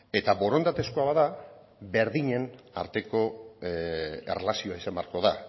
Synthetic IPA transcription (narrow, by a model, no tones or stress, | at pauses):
e̞t̪aβo̞ɾo̞nd̪at̪e̞skoaβaða | be̞ɾðiɲe̞n | a̰ɾt̪e̞ko̞ | ḛrelasioaisamaɾko̞ða